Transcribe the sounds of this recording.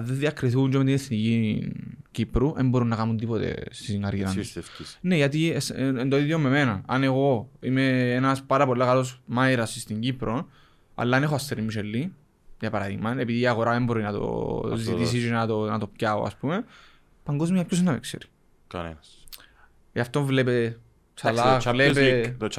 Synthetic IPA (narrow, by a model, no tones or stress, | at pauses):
ðenðiɐkɾiθikuɲd͡ʒomet̪ineθnici | cipɾuʔembo̞ɾunːɐkamunt̪ipo̞t̪e̞̰st̪isiŋɡaɾʝiɾɐefineʝɐt̪isend̪oiðjomːe̞me̞nɐɐne̞ɣo̞imeenɐspaɾɐpo̞lːɐkalo̞smajɾɐsist̪iɲɟipɾo̞n | a̰lːanexoast̪eɾimːiʃelːi | ʝɐpɐɾaðḭɣmɐnepiðiːɐɣo̞ɾaðembo̞ɾinɐt̪o̰zit̪is̬isinɐt̪onɐt̪o̞pcao̰ɐ̰spume | pɐŋɡo̞zmiapços̬enːɐmḛkseɾi̥ | kɐnḛns | aft̪oɱvlepe | t͡ʃalalepe